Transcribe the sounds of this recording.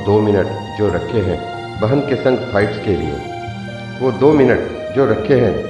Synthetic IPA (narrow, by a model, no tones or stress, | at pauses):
d̪oːmɪnəʈ | d͡ʒoːɾɐkʰeɦɛ̃ | bɐɦənkesɐ̃ŋɡfʰaːɪʈskelḭḛ | ʋoːd̪oːmɪnəʈ | d͡ʒoːɾɐkʰeɦɛ̃